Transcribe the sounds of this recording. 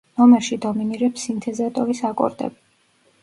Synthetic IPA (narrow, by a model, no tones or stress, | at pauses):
nɔmɛɾʃid̪ɔminiɾɛpsint̪ʰɛzat̪ʼɔvisakʼɔ̰ɾd̪ɛ̰bi